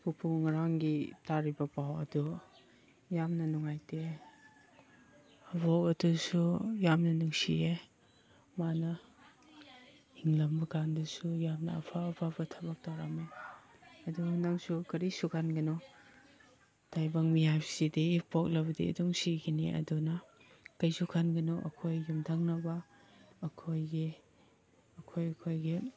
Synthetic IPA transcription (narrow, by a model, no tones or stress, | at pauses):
pupʰuŋaɾaŋɡitaɾibɐpawɐ̰du | jamnɐnɔŋajte | ɐbɔkɐdusujamnɐnuŋsie | manɐ | hiŋlɐmbɐɡandusujamnɐ̰ːpʰapʰabɐtʰabak̚taɾame | ɐdunaŋsukɐɾisukʰanɡɐnɔ | tʰajbaŋmijajpsidipok̚lɐbɐdḭːdɔŋsiɡiniʔɐ̰dunɐ | kɐjsukʰanɡɐnɔʔɐ̰kʰojːumtʰaŋnɐbɐː | kʰojɡi | ɐkʰojɐkʰojɡi